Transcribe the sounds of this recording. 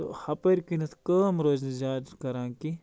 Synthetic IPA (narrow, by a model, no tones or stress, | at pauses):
o̰hɐpɐɾʲkinɐt̪ʰkɐːmɾoːznɐzaːd̪kɐɾãːki